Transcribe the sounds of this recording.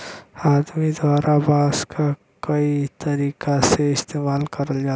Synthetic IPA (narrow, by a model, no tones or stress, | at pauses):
aːd̪mid̪waːɾʔabaːskʰa | kəit̪ɐɾiːkaseɪst̪eːmaːlkəɾəld͡ʒaː